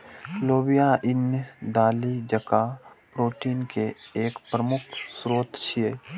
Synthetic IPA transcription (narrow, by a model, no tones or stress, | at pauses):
loːbijaʔɪnjəd̪aːlid͡ʒəkapɾoːʈiːnkeeːkpɾəmʊkʰsɾoːt̪t͡ʃʰieː